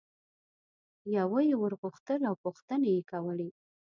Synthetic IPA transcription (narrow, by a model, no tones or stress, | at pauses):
jawəjewəɾɣuxt̪əlawpuxt̪ənajekawəle